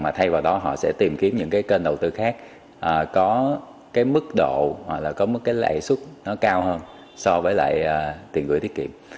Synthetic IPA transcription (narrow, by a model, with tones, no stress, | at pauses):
maː˨˩t̪ʰa˧jvaː˨˩wɗɔ˨˦ɦɔ̰˧˨sɛ̰˧˥t̪i˨˩mki˨˦əmɲɨ̰˧˥ŋkaː˨˦jke˧nɗə˨˩wt̪ɨ˧xaː˦˥k̚ | ʔəː˨˩kɔ˨˦ | kaː˨˦jmɨ˦˥k̚ɗo̰˧˨a˨˩k̚laː˨˩kɔ˨˦mɨ˦˥kːaː˨˦jla̰˧˨jswu˦˥t̚nɔ˨˦kaː˧whəː˧n | sɔ˧vəː˨˦jla̰ː˧˨jʔəː˨˩t̪i˨˩ənkɨ̰˧˨t̪i˦˥k̚kḭ˧˨əm